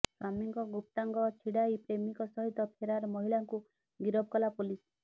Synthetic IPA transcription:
samiŋkɔɡup̚t̪aŋɡɔt͡ʃʰiɽajpɾemikɔsɔɦit̪ɔpʰeɾaɾɔmɔɦiɭaŋku | ɡiɾɔb̚kɔlapulis

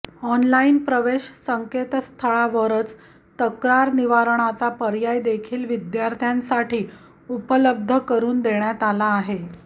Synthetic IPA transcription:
ɔnlainpɾəʋeɕsəŋket̪st̪ʰəɭaʋəɾət͡s | t̪əkɾaɾniʋaɾɳ̃at͡sapəɾjajd̪ekʰiːlʋid̪jaɾt̪ʰjãnsaʈʰiː | upələb̚d̪ʱəkəɾuːnd̪eɳjat̪alaːɦe

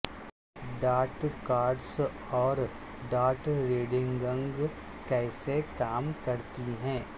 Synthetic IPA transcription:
ɖaːʈkaːɾɖs | ɔːɾ | ɖaːʈɾeːɖɪ̃ŋɡɾə̃ŋɡ | kɛːsekaːmkɐɾt̪iɦɛ̃ː

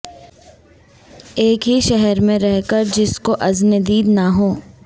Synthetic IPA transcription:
eːkɦiʃɛɦɛɾmẽɾɛɦkəɾd͡ʒɪskoʔɐzned̪iːd̪naɦoː

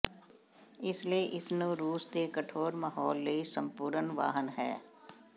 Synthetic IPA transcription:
ɪslieʔɪsnũɾuːsd̪ekəʈʰoːɾmaːɦɔːlːeisə̃mpuːɾənʋa̰ːɦənɦɛː

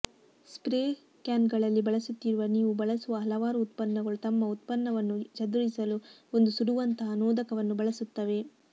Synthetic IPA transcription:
spɾeː | kjaːnɡɐɭɐlːibɐɭɐsut̪ːiɾuʋɐniːʋubɐɭɐsuʋɐɦɐlɐʋaːɾuːt̪pɐnːɐɡɐɭut̪ɐmːɐut̪̚pɐnːɐʋɐnːud͡ʒɐd̪uɭisɐluo̞nd̪usuɽuʋɐnt̪ɐɦɐnoːd̪ɐkɐʋɐnːubɐɭɐsut̪ːɐʋe̞

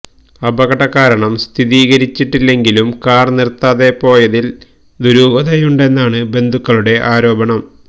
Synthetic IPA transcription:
ɐbɐɣɐʈːɐkːaːɾɐɳɐmst̪ʰiðiːɣɐɾit͡ɕːiʈːilːe̞ŋɡilumkaːrnirt̪ːaːðe̞po̞ːjɐðil | d̪uɾuːɡɐðɐjuɳɖe̞nːaːɳɨbe̞nd̪ʱukːɐɭuɽe̞ʔaːɾo̞ːbɐɳɐm

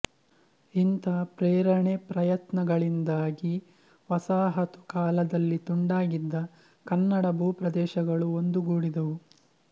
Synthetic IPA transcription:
int̪ɐpɾeːɾɐɳepɾɐjɐt̪nɐɡɐɭind̪aːɡi | ʋɐsaːɦɐt̪u̥kaːlɐd̪ɐlːit̪uɳɖaːɡid̪ːɐ | kɐnːɐɽɐbʱuːpɾɐd̪ɛːʃɐɡɐɭuond̪uɡuːɽid̪ɐʋu

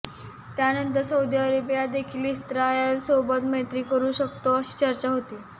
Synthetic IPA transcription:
t̪janənt̪əɾsəud̪iaɾepjad̪ekʰiːlist̪ɾajəlsobət̪mət̪ɾiːkəɾuːɕəkt̪oəɕi̥ːt͡ɕəɾt͡ɕaɦot̪iː

